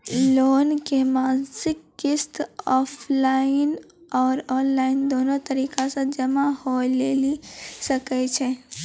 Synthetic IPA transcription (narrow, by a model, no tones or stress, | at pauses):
loːnkemansɪkːɪst̪ɔpʰlaɪn | ɔːɾɔnlaind̪onot̪əɾikasə̃d͡ʒəmaholelisəkɛt͡ʃʰɛ